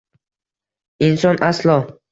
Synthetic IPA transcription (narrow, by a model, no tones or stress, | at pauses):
insɒnʔaslˠɒ